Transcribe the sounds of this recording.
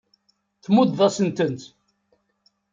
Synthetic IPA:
θmud̪ðˤɑsənt̪ənt̪

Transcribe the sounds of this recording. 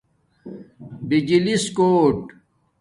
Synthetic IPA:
bid͡ʑiliskoːʈ

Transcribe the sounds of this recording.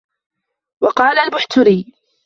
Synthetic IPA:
wɑqɑːlalbʊħt̪ʊɾiː

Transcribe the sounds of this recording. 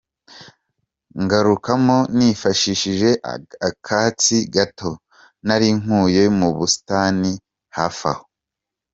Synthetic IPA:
ŋɡaɾukamonifaʃiʃiʒe̞ʔakʰaːt͡siɡato̞ | naɾiŋ̥uːjomuβusi̥taːni | hafa̰ho̥

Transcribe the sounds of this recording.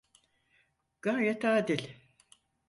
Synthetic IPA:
ɡ̥aɾjet̪aːd̪ilʲ

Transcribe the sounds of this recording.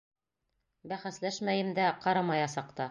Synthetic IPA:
bæχæslæʃmæjɘ̆md̪æqɑɾɑmɑjɑsɑqt̪ɑ

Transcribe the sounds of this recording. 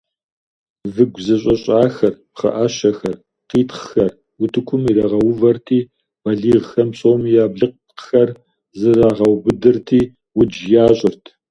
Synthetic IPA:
vɨɡʷzɨɕ̬ʼɐɕʼaːxɐrpχɐ̰ʔaɕɐxɐr | qiːtχxɐr | wʊtʰɨkʷʰʊmiɾɐʁɐwʊvɐrtʰiː | b̥ɐɮiːʁxɐmɕʼowmjaːbɮɨq̚ | qxɐr | zɨraːʁɐwbɨdɨrtʰiː | wʊd͡ʒjaːɕʼɪrtʰ

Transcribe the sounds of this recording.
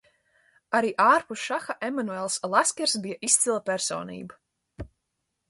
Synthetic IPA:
aɾiːʔaːɾpusʃaxaʔemanuɛlˠslˠaskʲɛɾsbijaʔist̪silˠapʲæɾsɔ̰ːnḭːba

